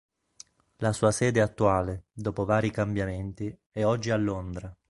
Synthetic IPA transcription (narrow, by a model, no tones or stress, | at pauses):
lasuːasɛːd̪eat̪ːuaːled̪oːpovaːɾikambjament̪i | ɛɔd͡ʒːialːond̪ɾa